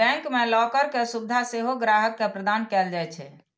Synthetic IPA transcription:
ɛ̃ŋkmelɔkəɾkesubd̪ʱaseɦoɡɾaɦəkːepɾəd̪ankɛld͡ʒajt͡ʃʰɛ

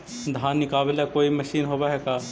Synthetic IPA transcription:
d̪ʱaːnːɪkaːblekoːimɐʃiːnɦoːbaɦɛkaː

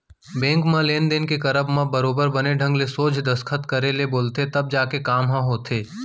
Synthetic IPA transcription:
bɛ̃ːŋkmãleːnd̪enkekɐɾəbmãbəɾoːbəɾbɐneɖʱə̃ŋɡlesoːd͡ʒʱd̪ɐskʰət̪kəɾeleboːlt̪et̪ɐb̚d͡ʒaːkekaːmɦãɦoːt̪ʰeː

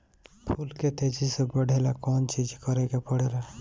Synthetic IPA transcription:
pʰulket̪ed͡ʒisebəɽ̤ʱelakɔnt͡ʃid͡ʒkəɾekepəɽ̤ela

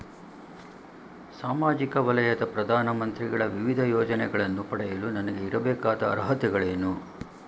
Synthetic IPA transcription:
saːmaːd͡ʒikɐʋɐlɐjɐd̪ɐpɾɐd̪ʱaːnɐmɐnt̪ɾiɡɐɭɐʋiʋid̪ʱɐjɔːd͡ʒɐnɛɡɐɭɐnːupɐɽɛjɐlunɐnɐɡe̞iɾɐbɛːkaːd̪ɐ̰ːɾɐɦɐt̪ɛɡɐɭeːnu

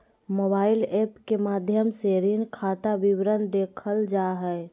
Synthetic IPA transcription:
mobaːilepkemad̪ʱjəmseɾinkʰat̪abiwɾənd̪ekʰəld͡ʒaɦɛ

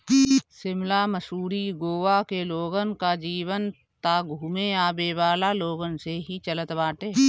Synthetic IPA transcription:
sɪmlaməsuːɾiɡoːʋakeloːɡənkad͡ʒiːʋən | t̪aːɡʱumeaːbeːʋaːlaloːɡənseɦit͡ʃələt̪baːʈeː

